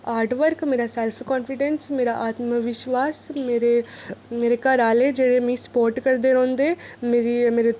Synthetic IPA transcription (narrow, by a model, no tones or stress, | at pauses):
aːɾʈʋɐɾkmiːɾɐselpʰkaːnfiɖensmiːɾɐʔaːt̪mɐʋiʃʋaːsmiːɾemiːɾekːaːɾaːleːd͡ʒeɾemiːspoːɾʈkɐɾd̪eɾond̪emiɾimiːɾe